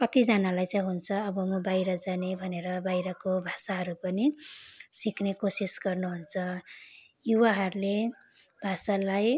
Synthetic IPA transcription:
kʌt̪id͡zʌnalajt͡saj̃ɦunt͡sʰʌʌbʌmʌbajɾʌd͡zanebʱʌneɾʌbajɾʌkobʱasaɦʌɾupʌnisiknekosisɡʌrnuɦunt͡sʰʌ | juwaɦʌɾule | b̥ʱasalaj

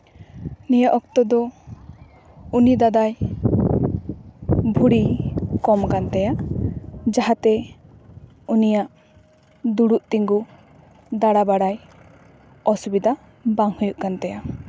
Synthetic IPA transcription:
nijaʔɔk̚t̪ɔd̪ɔ | unid̪ad̪aj | bʱuɽikɔmkant̪ɛjaʔ | d͡ʒaɦat̪ɛ | unijaʔ | d̪uɽuʔt̪iŋɡu | d̪aɽabaɽaj | ɔsubid̪a | baŋhujuʔkant̪ɛja

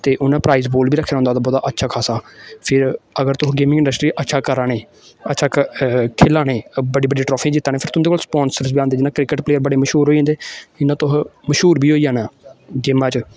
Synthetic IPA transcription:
t̪eːʔʊnãːpɾaːiːzboːlbiːɾəkʰːeːɾaɦʊ̃nd̪aːt̪aːbɔːd̪aːʔətːʃʰaːkʰaːsaːpʰɪɾəɡəɾt̪ʊɦɡeːmɪ̃ŋɪɳɖəsʈɾiːʔətːʃʰaːkəɾaːneː | ətːʃʰaːkʰeːlaːnẽːbəɽiːbəɖeːʈɾɔːpʰẽːd͡ʒɪt̪ːaːnẽːpʰɪɾt̪ʊ̃nd̪eːkoːlspɔːnsəɾsbiːãːnd̪eːd͡ʒɪnãːkɾɪkəʈpleːəɾbəɽeːməʃuːɾɦoːiãnd̪eːɪnãːt̪ʊɦməʃɦuːɾbiːɦoːiːaːnaːd͡ʒɪːmãːt͡ʃ

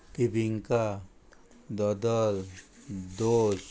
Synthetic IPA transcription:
t̪ibiŋka | d̪ɔd̪ɔl | d̪os

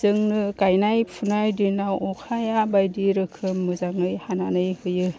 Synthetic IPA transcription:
zɯŋnɯkajnajpʰunajdinawɔkʰajabajdiɾɯkʰɯmːɯzaŋɯjhananɯjhɯjɯ

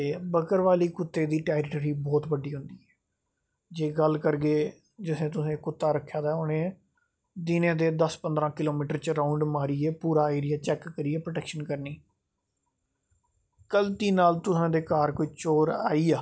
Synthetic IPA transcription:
t̪eːbəkəɾʋaːliːkʊt̪ːeːd̪iːʈɛːɾʈəɾiːbɔːt̪bəɖiːɦʊ̃nd̪iːɛː | d͡ʒeːɡəlkəɾɡeː | d͡ʒɪsẽːt̪̬ʊsẽːkʊt̪ːaːɾəkʰːjaːd̪aːʊnẽː | d̪ɪnẽːd̪eːd̪əspənd̪ɾãːkɪloːmiːʈəɾt͡ʃɾaːʊɳɖmaːɾiːɛːpuːɾaːeːɾɪjaːt͡ʃɛːkːəɾiːɛːpɾoʈɛːkʃənkəɾniː | kəlt̪iːnaːlt̪ʊsãːd̪eːkaːɾkʊit͡ʃoːɾa̰ːiːaː

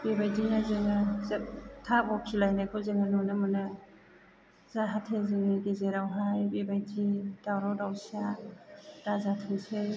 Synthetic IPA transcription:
bebajzinazɯŋɯztʰabɔkʰilajnakʰɔzɯŋɯnɔnɯmɯnɯ | zaɦatʰeziŋiɡezeɾawɦajbebajd͡ʒid̥awɾawdawsia | d̥azatʰɯŋse

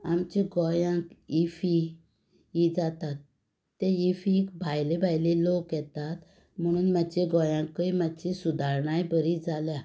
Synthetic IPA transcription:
amt͡ɕeɡɔjãkifi | id͡zat̪at̪ː | eifikbʱajlebʱajlelokjɛt̪at̪ | m̤əɽ̃uːnmat͡ɕeɡɔjãŋkːəjmat͡ɕesud̪ʱaɾɳajbəɾid͡zaljã

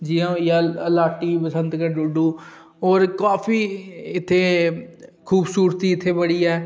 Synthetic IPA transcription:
d͡ʒiːãːjaəlaːʈiːpəsə̃nd̪kəɾɖʊɖuː | oːɾkaːpʰiːɪt̪ʰːeː | kʰuːbsuːɾt̪iːɪt̪ʰːeːbəɽiːɛː

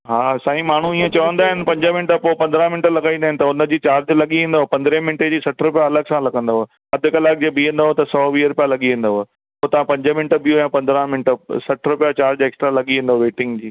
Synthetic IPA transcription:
ɦaːsaːɦĩmaːɳ̤uiːẽt͡ɕɐʋə̃nd̪aːɦɪnɪ̆pɐ̃ɲd͡ʑəmɪ̃nʈəpoːpɐ̃nd̪əɾãmɪ̃ɳʈəlɐɡaːĩnd̪aːɦɪ̃nɪ̆t̪ɐʊnə̆d͡ʑiːt͡ɕaːɾd͡ʑlɐɠiʋẽːn̆d̪aɦopɐ̃nd̪ɾẽmɪ̃ɳʈed͡ʑiːsɐʈʰɾʊpjaɐləɡsãlɐɡə̃nd̪aɦo | ɐd̪ʱɪkɐlaːk̚ʰd͡ʑeːbiːə̃nd̪aɦot̪ɐsɔːʋiːɾʊpijalɐɠiʋẽːn̆d̪aɦo | poːt̪ɐʋ̤ãpɐ̃ɲd͡ʑəmɪ̃ɳʈbijojãpɐ̃nd̪ɾə̃mɪ̃ɳʈə̆sɐʈʰɾʊpjat͡ɕaːɾd͡ʑeːksʈɾalɐɠiʋẽːnd̪aɦoʋeːʈɪ̃ŋɡd͡ʑiː

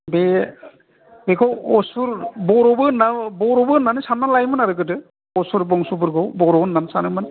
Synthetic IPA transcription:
be | bekʰɔwɔsuɾbɔɾɔbɯnabɔɾɔbɯnanɯsanːalajmɯnaɾɯɡɯdɯ | ɔsuɾbɔŋsubɯɾɡɔwbɔɾɔbɯnːansanɯmɯn

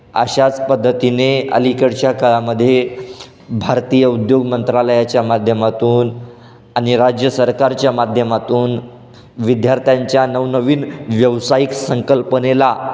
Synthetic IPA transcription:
ə̰ɕat͡spəd̪ʱːət̪ineə̰likəɽt͡ɕjakʰəɭaməd̪ʱːje | bʱaɾt̪ijəud̪joɡmənt̪ɾaləjat͡ɕjamad̪ʱjəmat̪uːn | aɽ̃iɾad͡ʑjəsəɾkaɾt͡ɕjamad̪ʱjəmat̪uːn | ʋid̪jaɾt̪jaɲt͡ɕjanəʋnəʋiːnʋjəʋsajiksəŋkəlpənela

